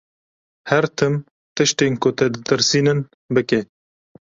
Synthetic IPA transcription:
hɛɾt̪ʰɨm | t̪ɨʃt̪eːnkʊt̪ɛd̪ɨt̪ɨɾsiːnɨn | bɨke

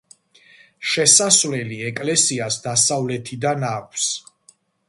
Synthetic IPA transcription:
ʃɛsasvlɛliɛkʼlɛsiasd̪asavlɛt̪ʰid̪anakʷʰs

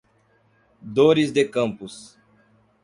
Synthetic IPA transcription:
d̪oɾizd̪ekɐ̃mpus

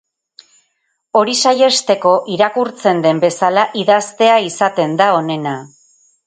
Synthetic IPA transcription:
o̞ɾisaje̞st̪e̞ko̞ʔiɾakuɾt͡se̞nd̪e̞mbe̞salaʔiðast̪e̞aisat̪e̞nd̪ao̞ne̞na

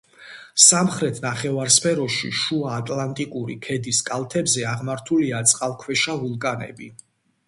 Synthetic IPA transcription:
samχɾɛt̪ʰnaχɛvaɾspʰɛɾɔʃḭʃuaːt̪ʼlant̪ʼikʼuɾḭkʰɛd̪iskʼalˠt̪ʰɛbzɛaʁmaɾt̪ʰuliat̪sʼqʼalˠkʰwɛʃavulˠkʼanɛ̰bi

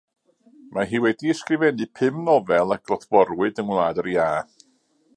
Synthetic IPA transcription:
maɦiːwɛdiɛskrɪvɛnɨpʰɨmnɔvɛlˠak̚rɔθv̥ɔrwɨdəŋwlˠaːdəɾjaː

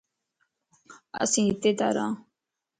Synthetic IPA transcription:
ə̰sĩːɪt̪ːeːd̪a̰ːɾã̰ː

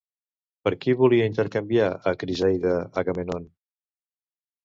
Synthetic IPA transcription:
pəɾkiβuliəint̪əɾkəmbiaəkɾizajðəəɣəmenon

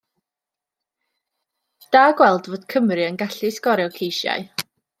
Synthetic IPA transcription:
d̥aːɡwɛlˠdvoːd̥kʰəmrɨənɡaɬiskɔɾjɔwkʰejʃja̰ɨ

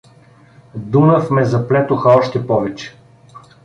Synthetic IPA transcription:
d̪uməfmɛzɐplɛt̪ʊxɐɔʃt̪ɛpɔvɛt͡ʃɛ̥

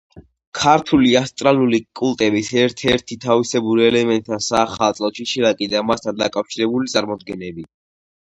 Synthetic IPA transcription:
kʰaɾt̪ʰuliast̪ʼɾalulikʼulˠt̪ʼɛbisɛɾt̪ʰɛɾt̪ʰit̪ʰavisɛbuɾɛlɛmɛnt̪ʼʰːansaːχalˠt̪sʼlɔʃiʃiɾakʼid̪amast̪ʰand̪akʼafʃiɾɛbulit̪sʼaɾmɔd̪̚ɡɛnɛbi

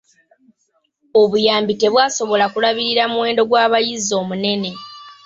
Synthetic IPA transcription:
oβujaːmbite̞βwaːso̞βo̞lakulaβiɾiɾamuwe̞ːndo̞ɡwaːβajizo̞ːmune̞ne̞

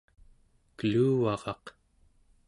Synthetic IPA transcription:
kəluːvɑʁɑq

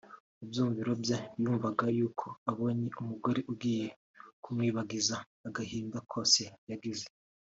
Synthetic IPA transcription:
ubjuːmviɾo̞bjajuːɱvaɡajuːkʰo̞aβo̞ːɲeʔumuɡo̞ɾeʔubɡiːje̞ | kumŋwiːβaɡizaː | ɡahiːndakʰo̞ːse̞jaɡize

